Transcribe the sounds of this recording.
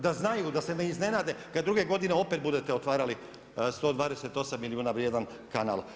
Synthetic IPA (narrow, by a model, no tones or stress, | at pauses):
d̪aznajud̪ase̞neizne̞naːd̪ekad̪ːɾuɡe̞ɡo̞d̪ineo̞pe̞t̪bud̪e̞t̪eo̞t̪ʋaːɾali | st̪o̞ːd̪ʋaːd̪ese̞t̪o̞samːiliuːnaʋjed̪an | kana̰ːl